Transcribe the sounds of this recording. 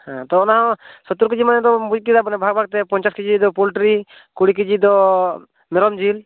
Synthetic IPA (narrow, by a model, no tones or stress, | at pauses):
hãt̪ɔːnaɦɔ̃sɔt̪uɾkid͡ʒimanɛd̪ɔbud͡ʒkid̪abɔnɛbʱaɡ̚bʱaɡ̚t̪ɛpɔɲt͡ʃaskid͡ʒid̪ɔpulʈɾi | kuɽik̬id͡ʒid̪ɔ | mɛɾɔmd͡ʒil